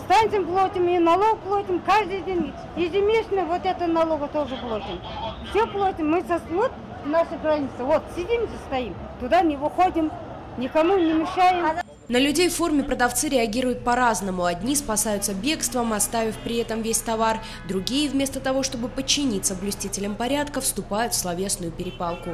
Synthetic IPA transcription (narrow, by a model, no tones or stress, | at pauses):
st̪anʲt̪ʲɪmplˠot̪ʲɪminɐlˠo̞ɡ̚plˠot̪ʲɪmkʰaʐd̪ɨjd̪ʲenʲ | jɪzʲɪmʲesnɨvot̪ɛt̪ənɐlˠo̞ɡət̪o̞ʐɨplˠot̪ʲɪm | fsʲeplˠot̪ʲɪmːɨsɐsot̪̚ | naʂɨɡralʲnʲɪt̪sɨvot̪sʲɪdʲimzɨst̪ajim | t̪ʊd̪anʲɪvɨxo̞d̪ʲɪm | nʲɪkɐmunʲɪmʲɪʂajɪm | nəlʲʉdʲejfːo̞rmʲɪpɾəd̪ɐft̪sɨɾʲɪɐɡʲiɾʊjʊt̪̚pɐɾaznəmʊɐdʲnʲispɐsajʊt̪səbʲe̞kst̪vəmɐst̪avʲɪfʲpɾʲɪɛt̪əmvʲesʲt̪ɐvar | d̪ɾʊɡʲijəvʲmʲe̞st̪ət̪ɐvo̞ʂt̪o̞bɨpət͡ɕːɪnʲit̪səblʲʊsʲtʲitʲɪlʲəmpɐɾʲat̪kəfst̪ʊpajʊt̪fslˠɐvʲe̞snʊjʊpʲɪɾʲɪpalˠkʊ